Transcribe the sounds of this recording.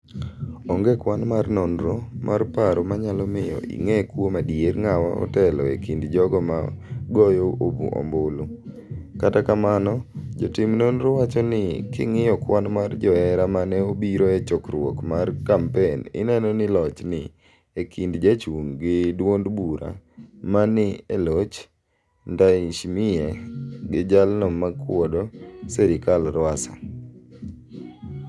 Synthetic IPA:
ɔŋɡɛkwanmarnɔnɾɔmʔarpaɾomaɲalɔmɪjɔ̰ʔḭŋɛkwomadieɾŋawaɔ̰tɛlɔḛkindd͡ʒɔɡɔma̰ɡɔjɔobṵʔɔ̰mbʊlʊ | katakamanɔd͡ʒɔtɪmnonɾɔwat͡ʃɔnɪkɪ̰ŋɪjɔkwanmard͡ʒɔɛɾamanɛobiɾoɛt͡ʃɔkɾwɔ̰kmarkampenɪ̰nɛnɔnɪlɔt͡ʃnɪ | ekʰindd͡ʒat͡ʃuŋɡɪdwondbuɾa̰manɪelot͡ʃ | ndaiʃmɪjeɡɪd͡ʒalnɔmakwɔdɔsɛɾɪkalɾwasa̰

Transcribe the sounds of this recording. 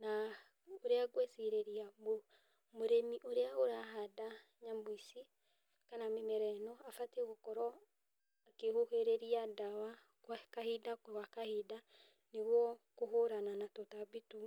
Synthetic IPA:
na | oɾeaɣwɛsiɾeɾiamo | moɾemiʔoɾeaoɾaɦada | ɲamwisi | kanamemɛɾɛnɔafateɣokɔɾɔ | akehoheɾeɾiadawa | kakahidakwakahida | neɣwɔkoɦoɾananatɔtabitu

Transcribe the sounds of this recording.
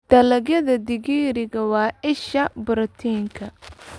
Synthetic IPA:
d̪̥ɐlɐɣjɐðɐd̪ɪɣiːɾɪɣɐwɑːʔɪʃɐbʊɾɐt̪ʰiːŋkʰɐ

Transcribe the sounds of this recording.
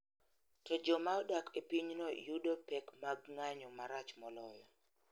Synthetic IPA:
tɔd͡ʒɔmaɔdakepiɲnɔjudopɛkmaɡŋaɲɔmaɾat͡ʃmɔlɔjɔ

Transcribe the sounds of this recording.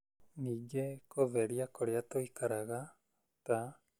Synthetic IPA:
niɡekoβeɾiakoɾiat̪oikaɾaɡa | t̪a

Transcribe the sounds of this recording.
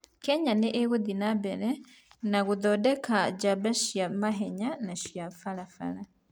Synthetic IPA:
kɛɲaneʔeɣudinabɛɾɛ | naɣuðodɛkaɟabaʃjamaɦeɲanaʃjafalafa̰la

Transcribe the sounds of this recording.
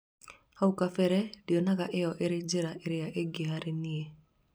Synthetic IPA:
aukafɛɾɛdiɔnakaʔejɔʔeɾɪd͡ʒeɾaʔeɾɪjaʔeɡeɦaɾenie

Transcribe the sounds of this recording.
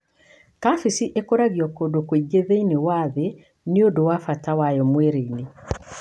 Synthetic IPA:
kafisiʔekoɾaɣjɔkodokweiɡeðeinewaðe | neodowafatawajɔmweɾeine

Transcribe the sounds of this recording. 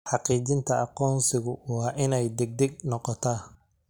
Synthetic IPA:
ħɑqiːt͡ʃɪnt̪ʰɐʔɑqɔːnsɪɣʊwɑːʔɪnɛjd̪ɛɡ̚d̪ɛɡ̚nɔqɔt̪ʰaː

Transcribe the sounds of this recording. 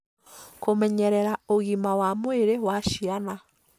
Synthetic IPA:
komɛɲɛɾɛɾaoɣimawamweɾewaʃiana

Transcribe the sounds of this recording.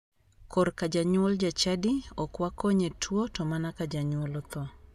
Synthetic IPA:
kɔrkad͡ʒaɲwɔld͡ʒat͡ʃadiɔkwakoɲetʰwotɔmanakad͡ʒaɲwɔlɔt̪ɔ

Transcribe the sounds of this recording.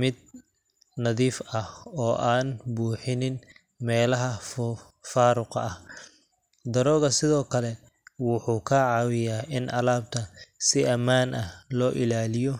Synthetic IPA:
mɪd̪̚ | nɐðiːfɐhɔːʔaːnbuːħɪnɪn | mɛːlɐɦɐf | faːɾʊqɐh | d̪ɐɾɔːɣɐsɪðɔːkʰɐlɛ | wʊħuːkʰɐʕɑːwɪjaːʔɪnʔɐ̰laːb̚t̪ʰɐsɪʔɐmaːnʔɐhlɔːʔɪlaːlɪjɔ

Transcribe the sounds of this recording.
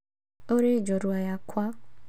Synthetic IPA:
oɾed͡ʒoɾuajakʷʰa

